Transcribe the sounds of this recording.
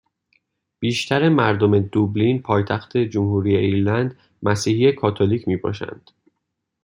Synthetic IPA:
b̥iːʃt̪ʰæɾemæɾd̪o̞me̞d̪ublinpʰɒːjt̪ʰæxt̪ʰe̞d͡ʒomhuːɾiːjeiɾlænd̪ | mæsiːhijekʰɒːt̪ʰoliːcʰmiːbɒ̰ːʃæ̰nd̪̥

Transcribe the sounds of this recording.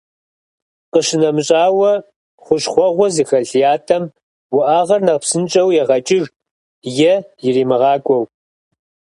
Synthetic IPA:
qəɕɪnɐmɨɕʼaːwɐ | χʷʊɕχʷɔʁʷɔzixɐɮijaːtʰɐm | wʊʔaːʁɐrnɐʁpsɨnt͡ʃʼɐwjɛʁɐt͡ʃʼɪɻ | jɛjɪriːmɨʁɑːkʷʼɔw

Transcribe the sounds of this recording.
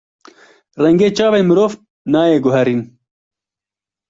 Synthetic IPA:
rɛŋɡeːt͡ʃaːveːmɨɾoːv | naːjeːɡʊɦɛɾiːn

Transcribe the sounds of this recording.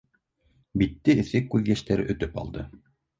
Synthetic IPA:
bit̪ːɘɘ̆θɘkːʉðjæʃt̪æɾɘ̰ʔɵ̆t̪ɵpɑ̰lˠd̪ɤ

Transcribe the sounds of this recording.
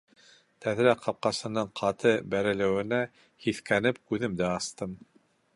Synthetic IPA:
t̪ʰæðɾæqʰɑp̚qɑsɤ̆nɤɴqʰɑt̪ɤbæɾɘ̆lɘ̆wɘ̆næ | hiθkænɘp̚kʉðɘmd̪æɑst̪ɤm

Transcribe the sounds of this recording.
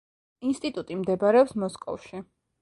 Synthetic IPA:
inst̪ʼit̪ʼut̪ʼimd̪ɛbɾɛɔpsmɔskʼɔ̰fʃi

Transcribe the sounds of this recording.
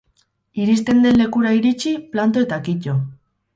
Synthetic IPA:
iɾist̪e̞nd̪e̞nlːe̞kuɾaiɾit͡ʃiplant̪̬o̞e̞t̪akico̞

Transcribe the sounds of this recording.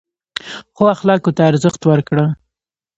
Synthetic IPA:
xoaxlɑkot̪aːɾzəxt̪wəɾkɽə

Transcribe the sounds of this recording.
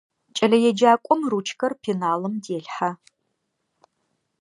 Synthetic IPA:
t͡ʃʼɐɮɐjɛd͡ʒaːkʷʼʊɔmruːt͡ʃʰkʰɐrpʰinaːlɨmdeːɬħa

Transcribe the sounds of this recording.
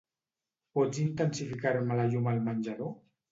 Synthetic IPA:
pɔd͡zint̪ənsifikaɾemalaʎumalmanʲd͡ʒaðo

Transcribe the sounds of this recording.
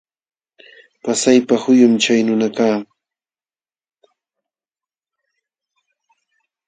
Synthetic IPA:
pasajpahʊjʊmt͡ʃajnʊnakaː

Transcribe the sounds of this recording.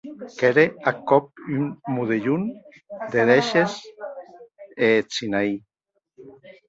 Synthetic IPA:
keɾeakɔp̚ynmuðeʎun | d̪eðeʃes | et͡sinai

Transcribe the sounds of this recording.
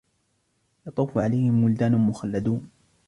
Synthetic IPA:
jɑt̪ˤuːfʊʕalajhɪmːʊld̪aːnʊmʊxalːad̪uːn

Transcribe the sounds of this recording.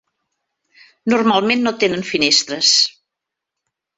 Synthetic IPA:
nurmalˠmenːot̪enənfinest̪ɾəs

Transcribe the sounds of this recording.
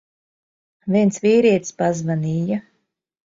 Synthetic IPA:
vʲiɛnsviːɾiɛt̪spazvaniːja

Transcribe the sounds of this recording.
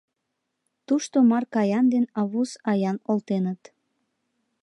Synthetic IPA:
t̪uʃt̪omɑrkɑjɑnd̪enɑβusɑjɑnolt̪enət̪

